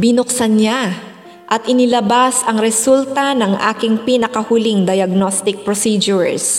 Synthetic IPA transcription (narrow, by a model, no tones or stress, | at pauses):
bɪnʊksɐnɲa | ʔɐt̪̚ʔɪnɪlɐbasɐŋɾɛsult̪ɐnɐŋʔa̰ːkɪŋpinɐkɐhʊliŋd̪ɐjɐɡ̚nost̪ɪk̚pɾosid͡ʒʊs